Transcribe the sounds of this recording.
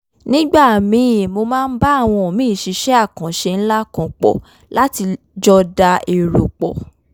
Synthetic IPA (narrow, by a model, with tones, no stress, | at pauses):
nĩ˦ɡ͡ba˦˨mĩ˧˦˨mo˧mãː˦˧n̩˦ba˦a˦˨w̃ɔ̃˧o˨mĩ˨˦˨ʃi˨˧˦ʃɛ˦a˦˨kã˨ʃe˧n̩˦la˦kã˧k͡pɔ̰˨ | la˦ti˧ | d͡ʒɔ˦da˧ʔe˨ɾo˨k͡pɔ̰˨